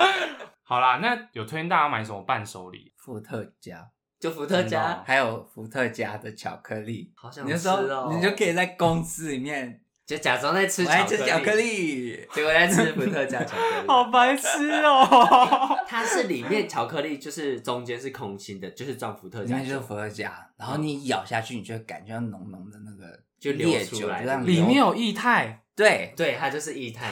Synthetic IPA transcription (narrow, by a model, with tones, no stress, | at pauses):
hɑ˨˩ʊlə˦na˥˨jo˨˩ʊt̪ʰwe˥˧i˥˧t̪a˥˧t͡ɕja˥˩ma˧˦nsə˨˦mə˦pa˥˨nʂo˧˥ʊlḭ˨˦fu˧˥t̪ʰə˥˧˩t͡ɕja̰˥ | t͡ɕjo˥˩ʊfu˧˥t̪ʰə˥˧t͡ɕja˥ha˧˥ɪjo˨˩ʊfu˧˥t̪ʰə˥˧t͡ɕja˦˥d̪ə˨t͡ɕʰjɑ̰˨˩ʊkʰɤ˧˦li˥˩hɑ˨˩ʊɕjɑ̃˨i˨jo˥˩so˥˨ni˨t͡ɕjo˥ʊkʰə˦˥i˨˩t͡sa˥˩ɪkʊ˦˥ŋsɹ̩˥li˨˩mjɛ˥˨n | t͡ɕo˧˥˨t͡ɕja˨˩t͡so˥ŋt͡sa˥˩ɪʈ͡ʂʰɻ̩ʰ˥e˥˦˨t͡ɕʰɑ˨˩kʰə˥li˥˩˧wt͡sa˥˧ɪɨ˥fu˧˥t̪ʰɤ˥˧t͡ɕja˥t͡ɕʰɑ˨˩kʰɑ˨˩ʊpa˧˥ɪs̩˦ɔ˨˩ | t̪ʰa˥ʂɻ̩˥˩li˨˩mjɛ˥˩nt͡ɕʰjɑ˨˩ʊkʰɤ˧li˥˧t͡ɕjo˥˧ʊʂɻ̩˥˩ʈ͡ʂʊ˧˥ŋt͡ɕjɛ˥nʂɻ̩˥˩kʰʊ˧˥ŋɕʰi˧˥nd̪ə˨t͡ɕjo˥˧ʊʂɻ̩˥˧ʈ͡ʂwɑ˥˩ŋfu˧˩t̪ʰɤ˥˨t͡ɕt͡ɕjo˥˧˥fu˧˥ə˥˧˩t͡ɕja̰˥ɻa˧˥nxo˥˩ʊni˨˦jɑ˨˩ʊɕja̰˥˧t͡ɕʰy˥˩i˨˩t͡ɕʰɛ˥˩˥ka̰˨˩nt͡ɕɛ˧˦jɑ˥˩nʊ̰˧˥ŋnʊ˧˥ŋd̪ə˨na˥˩ɡə̰˩ | t͡ɕjo˥˧˨ʊljoljɛ˦˥˨u˧˩˥la̰˨˧˦a˥˧˨li˨˩mjɛ˥˨njo˨˩ʊi˥˧t̪ʰa˥˩ɪt̪we˥˩ɪt̪we˥˩ɪt̪ʰa˥t͡ɕjo˥˧ʊʂɻ̩˥˧i˥˧t̪ʰa˥˩ɪ